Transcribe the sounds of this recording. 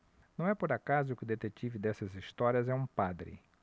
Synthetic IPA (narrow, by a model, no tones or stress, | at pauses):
nɐ̃w̃ɛpoɾakazʊːkɪd̪et̪et͡ʃivɪd̪ɛsɐzist̪ɔɾiɐzɛũpad̪ɾɪ̰